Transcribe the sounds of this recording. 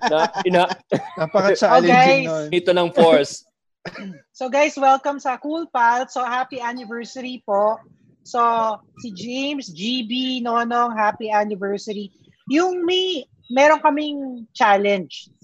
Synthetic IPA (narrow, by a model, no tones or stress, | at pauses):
naɪnaɐpɐkɐt͡ʃalɡajsɪt̪onɐŋfoɹs | soɡajswɛlkɐmsɐkulpalsohaːpiʔanɪvɛɹsɪɾipoʔ | so | sid͡ʒejmsd͡ʒibinoɐnoŋɦapiʔanɪvɛɹsɪɾi | jʊŋmi | mɛːɾoŋkɐmɪŋt͡ʃalɛnd͡ʒ